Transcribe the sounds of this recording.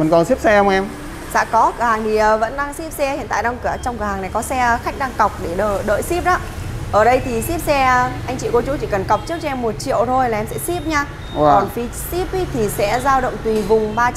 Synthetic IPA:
və˨˩nkɔ˨˩nsi˦˥p̚sɛ˧hə˧wŋ͡mʔɛ˧m | sa̰ː˧˥kɔ˨˦kɨ˨˧˩əhaː˨˩ŋt̪ʰi˨˩əː˨˩və̰˧˥nɗaː˧ŋsi˦˥p̚sɛ˧hḭ˧˨nt̪a̰ː˧˨ɗa˧wŋ͡mkɨ˧˩ə˨t͡ɕɔ˧ŋ͡mkɨ˨˩əhaː˨˩ŋna˨˩jkɔ˨˦sɛ˧xa˦˥jk̟̚ɗaː˧ŋka˨˩wk͡p̚ɗe˧˩ɗəː˧˩ɗə̰ː˧˨jsi˦˥p̚ɗaː˨˦ʔəː˧˩ɗə˧jt̪ʰi˨˩si˦˥p̚sɛ˧ʔa˧jŋt͡ɕḭ˧˨kɔ˨˦t͡ɕu˨˦t͡ɕi˧˩kə˨˩nka˨˩wk͡p̚t͡ɕi˦˥əkt͡ɕɛ˧mːo˨˩t̚t͡ɕḭ˧˨əwt̪ʰo˧jlaː˨˩ʔɛ˧msɛ̰˧˥si˦˥p̚ɲaː˧ | ɔ˨˩nfi˨˦si˦˥p̚i˨˦˥t̪ʰi˨˩sɛ̰˧˥zaː˧wɗə̰˧˨wŋ͡mt̪wi˨˩vʊ˨˩ŋ͡mɓaː˧

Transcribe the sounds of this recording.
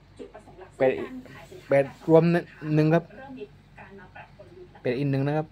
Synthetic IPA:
pɛː˨˩t̪̚ʔi˨˩pɛː˨˩t̪̚ɾu˧˥əm˦˥nɯ˨˩ŋkʰa˦˥p̚ | pɛː˨˩t̪̚ʔi˨˩nɯ˨˩ŋna˦˥kʰa˦˥p̚

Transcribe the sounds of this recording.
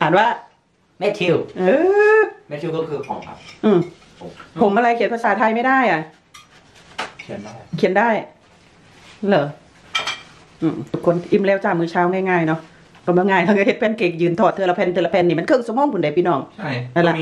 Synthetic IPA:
t̪ʰaː˨˦nwaː˧˥˩ | mɛ˦˧˥t̪ʰi˧wʔɤː˧mɛ˦˧˩t̪ʰi˧kɔ˥˩kʰɯː˧kʰɔ̰ː˨˦kʰa̰˧˥ʔɯː˧˩m˨˦ | pʰo˨˦mʔa˧ɾa˧jkʰi˨˩˦npʰa˧saː˨˦t̪ʰa˧jma˥˩jdaː˥˩˨jʔa˧˩ | kʰi˧˦n˥˩jkʰi˨˦əndaː˥˩j | lɤː˨˦ | ʔɯː˧˩mt̪ʰu˨˧˩kʰːo˧˥n˧ʔi˧˩mlɛː˧˩wt͡ɕaː˨˩k̚mɯː˧˩t͡ɕʰaː˧˥˩wŋaː˧˩jŋaː˧˩jnɔ˦˥ | kɔ˧˩mɯ˧˨ŋaː˧˩jnɔ˧˩ka˧˩he˧˦t̪̚pʰɛː˧˥nkeː˨˩k̚jɯː˨˧˩nt̪ʰɔː˨˩t̪ʰːɯ˧la˧pʰɛː˧nt̪ʰɯː˧la˧pʰɛː˧niː˧˩ma˧˥nkʰɤː˧˩˨ŋsmoː˧˨ŋpʰu˨˦da˨˩jpiː˧˩nɔː˧˩ŋa˥˧˩aː˧˩la˧˩

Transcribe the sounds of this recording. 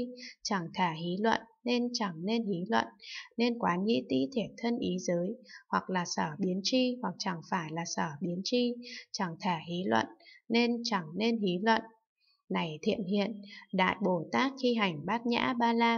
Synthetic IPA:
t͡ɕa˧˩ŋt̪ʰaː˧˩hi˨˦lwə̰˧˨nːe˧nt͡ɕa˧˩ŋne˧nɦi˨˦lwə̰˧˨nne˧nkwaː˨˦ɲḭ˧˥t̪ḭ˧˥t̪ʰi˨˩ət̚t̪ʰə˧nʔi˨˦zəː˨˦jhwa˨˩k̚laː˨˩səː˧˩ɓi˨˦ənt͡ɕi˧hwa˨˩k̚t͡ɕa˧˩ŋfaː˧˩jlaː˨˩səː˧˩ɓi˨˦ənt͡ɕi˧t͡ɕa˧˩ŋt̪ʰaː˧˩ɦi˨˦lwə̰˧˨nne˧nt͡ɕa˧˩ŋne˧nɦi˨˦lwə̰˧˨n | na˨˩jt̪ʰḭ˧˨ənhḭ˧˨ənɗa̰ː˧˨jɓo˧˩t̪aː˦˥k̚xi˧ɦa˨˩jŋ̟ɓaː˦˥t̚ɲa̰ː˧˥ɓaː˧laː˧

